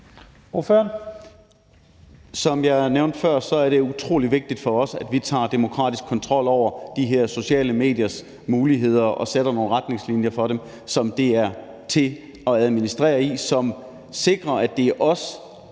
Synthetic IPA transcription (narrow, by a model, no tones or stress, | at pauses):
oføɐn | sɒ̽mjɑ̈ɪæneʊnd̥fɶɐ̰sɒ̽æɐɾ̥e̝ut͡sʰʁo̝̰ːliʋe̝ɡ̥̚d̥id̥fɒ̽ɒ̽sæd̥ʋit͡sʰɑ̰̈ːd̥e̝mo̝kʰʁɑ̰̈ːd̥isɡ̥kʰːɒ̽nt͡sʰʁɒ̽l̰ɒʊ̰ɐd̥iɦeɐ̰so̝ɕɛ̰ːləme̝̰ːd̥jɐs | muːliɦe̝ð̞̰ˠɐʔɒ̽seɾ̥ɐno̝ːn̩ʁad̥ne̝ŋslinjɐfɒ̽ɾem | sɒ̽md̥e̝æɐ | t͡sʰe̝ | ɒ̽æð̞ˠminisd̥ʁɛ̰ːɐisɒ̽m | se̝ɡ̥ʁɐæd̥e̝ʔɒ̽s